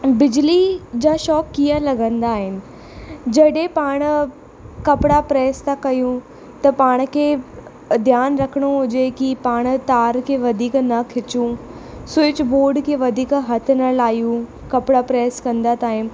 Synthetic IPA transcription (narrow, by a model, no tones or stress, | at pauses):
bɪd͡ʑlid͡ʑãːʃɔːkːijəlɐɡə̃nd̪aːɦɪnɪ̆ | d͡ʑɐɗẽpaːɽ̃ | kɐpɪɽapɾɛːst̪akɐjũ | t̪ɐpaːɽ̃̆kʰeː | d̪ʱjaːnɾɐkʰəɽ̃oɦʊd͡ʑekipaːɽ̃t̪aːɾkʰeʋɐd̪ʱiːknɐkʰɪt͡ɕũ | sʊɪt͡ɕboːɾɖkʰeʋɐd̪ʱiːkɦɐt̪ʰnɐlaːijũ | kɐpɪɽapɾɛːskɐ̃nd̪at̪aːɦɪ̃m̆